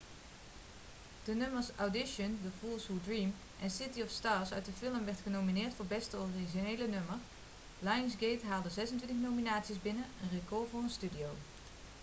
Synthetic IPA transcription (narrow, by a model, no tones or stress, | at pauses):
d̥ənɵməsawdɪʃəndəfuːlˠsɦudɹiːm | ʔɛnsɪtiɔfstaːɹsœ̰ɥt̚dəfɪlˠəmʋɛɹtχənowminɪːɹtfʊːɹbɛstəoriʒinejlənɵmər | lajənsɡejtɦaːlˠdəzɛsəntʋɪ̃ntəχnowminaːtsizbɪnəənrekɔɹvʊːɹənstydijow